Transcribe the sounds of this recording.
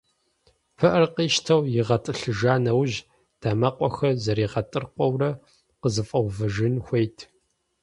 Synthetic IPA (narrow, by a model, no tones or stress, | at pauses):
pʰɨʔɐrqiːʃtʰɐwjɪʁɐtʼɨɬɨʒaːnɐwʒ | d̥amɐqʷʼɔxɐzɐɾiːʁɐtʼɨrqʷʼɔwrɐ | qəzɨfʼɐwvɨʒɪnxʷejtʰ